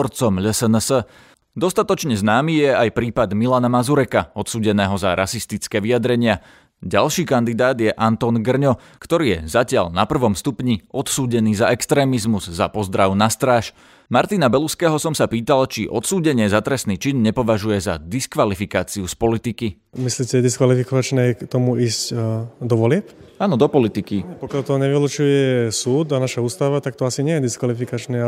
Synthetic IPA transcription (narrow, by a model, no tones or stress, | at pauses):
ɾt͡sɔmʎɛsɛnsə | d̪ɔst̪at̪ɔt͡ʃɲɛznaːmiːjɛajpɾiːpad̪milanamazuɾɛkaɔt̪suːɟɛnɛːɦɔzaɾʔasist̪it͡skɛːʋiad̪ɾɛɲɪa | ɟalʃiːkand̪id̪aːd̪jɛʔant̪ɔːnɡr̩ɲɔ | kt̪ɔɾiːjɛ̰zacɪaʎnapr̩ʋɔmst̪upɲiɔt̪suːɟɛniːzaɛkst̪ɾɛːmizmuzːapɔzd̪ɾaʊnast̪ɾaːʃ | maɾt̪inabɛluskɛːɦɔsɔmsapiːt̪alt͡ʃḭʔɔt̪suːɟɛɲɪɛzat̪ɾɛsniːt͡ʃinɲɛpɔʋaʒujɛza̰d̪iskʋalifikaːt͡siuspɔlit̪iki | misliːcɛɛd̪iskʋalifikɔʋat͡ʃnɛːkt̪ɔmuiːscd̪ɔʋɔlɪɛpaːnɔd̪ɔpɔlit̪ikiɛpɔkɪalt̪ɔɲɛʋilut͡ʃujɛsuːd̪anaʃauːst̪aʋat̪ak̚t̪ɔasiɲɪɛjɛd̪iskalifikat͡ʃnɛː